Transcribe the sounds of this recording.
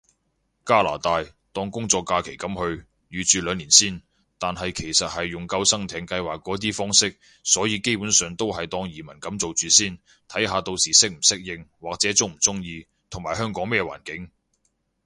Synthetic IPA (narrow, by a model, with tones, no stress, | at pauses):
kaː˥la̰ː˨˩t̪aː˧j | t̪ɔː˥ŋkʊ˥ŋt͡sɔː˧kːaː˧kʰe˨˩jkɐ˨˥mhɵ˧ɥ | jyː˨˧t͡ʃyː˨lœː˨˧ŋliː˨˩nsiː˥n | t̪aː˨nɦɐ˨jkʰe˨˩jsɐ˨t̚hɐ˨jːʊ˨˩ŋkɐ˧wsɐ˥ŋt̪ʰɛː˨˧ŋkɐ˧jwaː˨kːɔː˨˥t̪̬iː˥fɔː˥ŋsɪ˥k̚ | sɔː˨˥jiː˧ke˥jpuː˨˥nsœː˨ŋt̪o˥wɦɐ˨jt̪ɔː˥˧ŋjiː˨˩mɐ˨˩nkɐ˨˥mt͡so˨wt͡syː˨siː˥n | t̪ʰɐ˨˥jɦaː˨˧t̪o˧wsiː˨˩sɪ˥k̚m̩˨˩sɪ˥k̚jɪ˧ŋwaː˨k̚t͡sɛː˨˥t͡sʊ˥m̩˨˩t͡sʊ˥ŋjiː˧ | t̪ʰʊ˨˩ŋmaː˨˩jɦœː˥ŋkɔː˨˥ŋmɛː˥wa̰ː˨˩nkɪ˨˥ŋ